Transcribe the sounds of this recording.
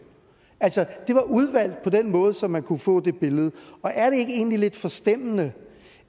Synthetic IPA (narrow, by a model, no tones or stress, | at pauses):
ælsəd̥e̝ʋɑ̈ʔuð̞ˠʋæl̰d̥̚pʰɒ̽d̥enmɔ̽ːð̞̩ˠəsɒ̽mːænkʰufɔ̰̽ːd̥e̝b̥e̝ləð̞̩ˠəɒ̽ʔæɐɾ̥e̝e̝ɡ̥əe̝̰ːn̩lile̝d̥fɒ̽sd̥em̰ənə